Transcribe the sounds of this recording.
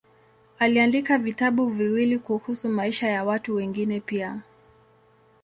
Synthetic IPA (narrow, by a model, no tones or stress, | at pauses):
aliandikavitaɓuviwilikuhusumaiʃajawatuwɛŋɡinɛpia